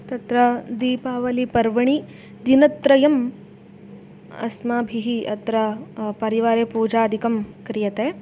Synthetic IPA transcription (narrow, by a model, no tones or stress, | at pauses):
t̪ɐt̪ɾɐd̪iːpaːʋɐlipɐɾʋɐɳ̃i | d̪inɐt̪ɾɐjɐm | ɐ̰smaːbʱiɦiɐt̪ɾɐpɐɾiʋaːɾeːpuːd͡ʒaːɐd̪ʱikɐmkɾijɐt̪eː